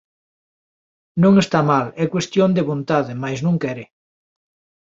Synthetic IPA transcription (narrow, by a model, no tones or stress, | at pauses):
nõŋest̪amalɛkwest̪jond̪eβont̪aðɪmajsznõŋkɛɾɪ